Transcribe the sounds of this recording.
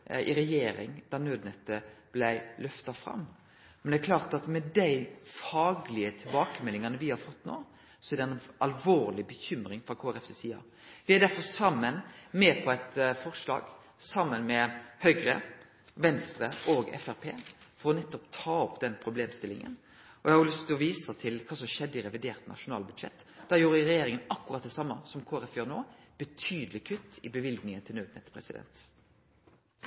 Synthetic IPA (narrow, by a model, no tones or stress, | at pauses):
ʔɪɾɛjeːɾɪ̰ŋd̪̥ɑʁnøːd̪nɛt̪ːəb̥læɪlœft̪ɑfɾɑ̰mː | mɛnd̪ɛækʰlɑːɾt̪ɑt̪mɛd̪æɪfɑːɡlɪət̪ʰɪlbɑːkəmɛlːɪŋɑnəʋɪhɑɾfɔt̪ːno̰ː | sɔæɾd̪ɛnɑlʋoːɾlɪbəçʏmɾɪŋfɾɑkʰoːæɾɛfsesiːɑ̰ | ʋɪæɾd̪æɾfɔsɑmːənmɛpʰɔæɪt̪fɔʁʂlɑ̰ːɡ | sɑmːənmɛhœʏɡɾə̰ | ʋɛnst̪ɾəʔoːɡɛ̰fæɾpʰḛːfɔɾɔnɛt̪ːɔpt̪ʰɑːɔpːd̪ɛnpʰɾʊbleːmst̪ɪlɪ̰ŋə̰n | ɔɛhɑʊlʏst̪ʰɪlɔʋiːsət̪ʰɪlkʰɑːsɔmʃɛd̪ːəɪɾɛʋɪd̪eːɾt̪nʔɑ̰ʃʊnɑːlbʉd̪ʂɛ̰t̪ːd̪ɑːjuːɾəɾɛjeːɾɪŋənɑkːʉɾɑt̪̚d̪ɛsɑmːəsɔmkʰoːɾɛfjøːɾnoːb̥ət̪ʰyːd̪əlɪkʰʉt̪ːɪbəʋɪlɡnɪŋənt̪ʰɪlnøːd̪nɛt̪pʰɾɛ̰sɪd̪ɛ̰nt̪